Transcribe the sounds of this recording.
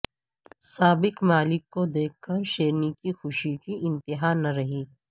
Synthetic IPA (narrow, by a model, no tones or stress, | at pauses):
saːbɪkmaːlɪkːod̪eːkʰkːɐɾʃeːɾnikixʊʃikiʔɪ̃nt̪ɪɦaːnɐɾɐɦiː